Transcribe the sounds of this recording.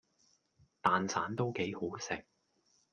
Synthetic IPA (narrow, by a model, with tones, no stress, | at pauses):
t̪aː˨nt͡sʰaː˨˥nt̪o˥wke˨˥jho˨˥wsɪ˨k̚